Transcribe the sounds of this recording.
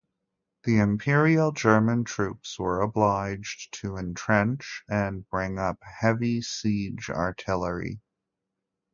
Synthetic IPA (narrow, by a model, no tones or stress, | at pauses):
ðiɨ̃mpʰɪɹil̩ˠd͡ʒɜ˞mɨ̃ntʰɹ̥ʉpswə˞əblaɪd͡ʒtʰɨɨ̃ntʰɹ̥ɛ̃nt͡ʃɨ̃nbɹɪ̃ŋʌp̚hɛvisid͡ʒɑ̰ɹtʰɪlˠə˞ḭ